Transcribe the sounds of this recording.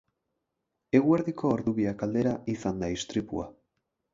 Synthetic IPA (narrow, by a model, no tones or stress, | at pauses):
e̞ɣue̞ɾðiko̞ːɾðuβiakald̪e̞ɾaisand̪aist̪ɾipṵa